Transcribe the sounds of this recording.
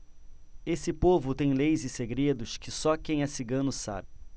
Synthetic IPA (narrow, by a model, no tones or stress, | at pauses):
esɪpovʊt̪ẽj̃lejzɪseɡɾed̪ʊʃkɪsɔkẽj̃asiɡɐ̃nʊsa̰bɪ